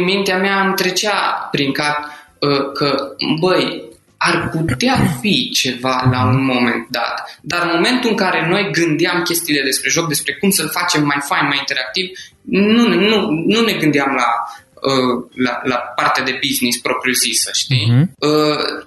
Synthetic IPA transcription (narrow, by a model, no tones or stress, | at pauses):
mint̪eameamt̪ɾe̞t͡ʃeapɾiŋkat̪əkʰəbəj | arput̪eafit͡ʃe̞valaunmo̞me̞̰nt̪d̪a̰t̪d̪armo̞me̞nt̪uɨŋkaɾe̞no̞jɡɨnd̪iamkʲe̞st̪ijled̪e̞spɾe̞ʒo̞k̚d̪e̞spɾe̞kumsəlfat͡ʃe̞mːajfajnmajint̪e̞ɾak̚t̪iv | nunnunune̞ɡɨnd̪eamla | əla̰lapart̪ead̪e̞biznispɾo̞pɾijuzisəʃt̪iə